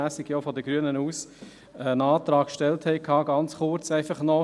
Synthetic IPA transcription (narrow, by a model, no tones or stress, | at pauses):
æːsɪɡ̥jofɔdəɡ̥ɾyənənuːs | ənɑːtɾɑːkkʃtɛlthɛɪkʰɑːɡɑnt͡sχʊɾt͡sæɪfɑχnɔ